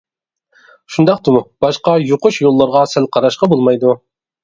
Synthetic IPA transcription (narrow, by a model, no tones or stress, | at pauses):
ʃund̪ɑq̚t̪ɨmub̥ɑʃqɑjuquʃjolˠːɑɾʁɑsɛlˠqʰɑɾɑʃqɑbolˠmɑjd̪u